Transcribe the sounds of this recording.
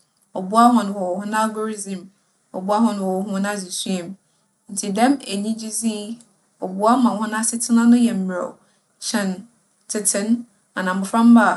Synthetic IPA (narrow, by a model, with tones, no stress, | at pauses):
ɔ˨bu˦a˦ɦɔ̃˨ñ˨hɔ˨wɔ˨hʊ̃˦na˦lɡo˦ɾi˦zĩ˨m | ɔ̰˨bu˦a˦ɦɔ̃˨ñ˨wɔ˨wɔ˨˦hũ˦nã˦zi˨su˦e˨m | n̩˨tʰi˨dɛ̃˦me˨ɲĩ˦d͡ʑi˦zi˦ | ɔ˨bu˦a˦mã˨hʊ̃˦nã˦sɪ˦tʰɪ˦nã˦nʊ̃˦jɛ˨m̩˦m˨ɾɔ̰˨ | t͡ɕʰɛ̃˨n | tʰɪ˨tʰɪ̃˦n | a˨nã˨m̩˨bʊ˨fɾã˦m˦ba˦˨